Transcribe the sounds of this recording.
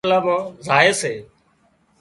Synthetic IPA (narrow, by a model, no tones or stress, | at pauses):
ləbzaːɪseː